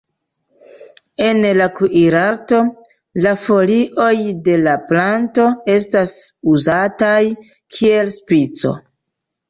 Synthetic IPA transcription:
e̞nlakuʔiɾaɾto̞ | lafo̞liʔo̞jde̞laplanto̞e̞stasuzataj | kʰie̞lspit͡so̞̰

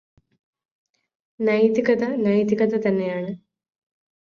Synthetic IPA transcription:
nɐjt̪ikɐt̪ɐnɐjt̪ikɐt̪ɐt̪ɐnːejaːɳɨ

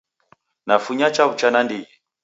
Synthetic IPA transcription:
nafuɲat͡ʃaut͡ʃanandijɛ

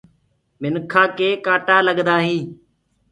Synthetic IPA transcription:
mɪnkʰaːkeːkaːʈaːləɠd̪aːɦĩː

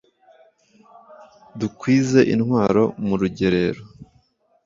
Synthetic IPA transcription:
dukwiːze̞ʔinŋwaːɾo̞muɾuɟe̞ɾe̞ɾo

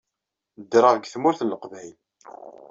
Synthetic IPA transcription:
d̪ɾˤɑʁɡθmʊɾθnləqvjl

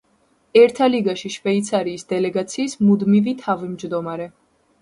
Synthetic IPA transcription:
ɛɾt̪ʰaliɡaʃiʃvɛit̪sʰaɾiːsd̪ɛlɛɡat̪sʰiːsmud̪mivit̪ʰavimd͡ʒd̪ɔmaɾɛ

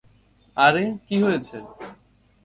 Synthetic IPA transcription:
aɾekiɦojet͡ɕʰe

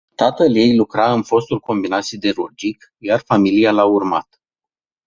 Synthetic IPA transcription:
t̪at̪əlje̞jlukɾaɨnfo̞st̪ulkʰo̞mbinat̪sʲid̪e̞ɾod͡ʒik | jarfamilijalaurma̰t̪

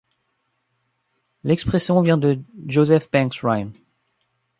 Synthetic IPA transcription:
lɛkspχɛsjɔ̃vjɛ̃d̪əʒozɛfb̥ɛ̃ksʁajn

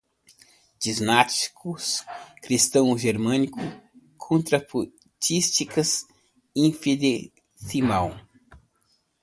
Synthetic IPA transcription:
d͡ʒiznat͡ʃi̥kʊskɾist̪ɐ̃w̃ʒeɾmɐ̃nikʰʊ | kʰõnt̪ɾɐpu | t͡ʃist͡ʃikɐs | ĩfid̪e | simaw

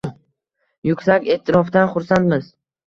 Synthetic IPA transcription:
jʊkʲsakʲeːt̪ʰːɪɾɒfd̪anχʊɾsant̪mɪz̥

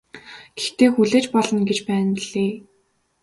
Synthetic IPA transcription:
ɡ̥ext̪eːxuɮeːt͡ɕpɔɮɞ̆nɡet͡ɕpæːnɮeː

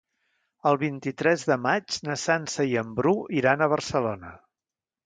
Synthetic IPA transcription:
əlˠβint̪it̪ɾɛzðəmad͡ʒnəsansəiəmbɾuiɾanəβ̞ərsəlonə

